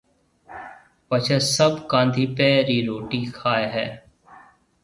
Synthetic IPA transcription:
pət͡ʃʰesəbkãːnd̪ʱiːpeːɾiːɾoːʈiːkʰaːeɦɛː

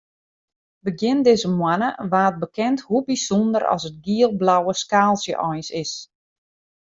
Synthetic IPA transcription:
bəɡjɪndɪːzəmwanəʋaːt̚bəkʰɛnthubisɔndəɾɔ̰sət̚ɡiəlˠblawəskaːlˠsjə̰ʔɔjnsɪs

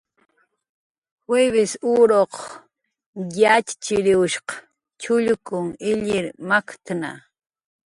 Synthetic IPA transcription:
weβɪsuɾoq | jat͡ʃt͡ʃɪɾɪʊʃqɑ̥ | t͡ʃʊʎkʊŋɪʎɪɾmakt̪na̰

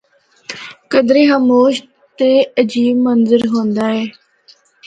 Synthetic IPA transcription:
kəd̪ɾeːɦəmoːʃ | t̪eːəd͡ʒiːbmənzəɾɦõːnd̪aːɦɛː

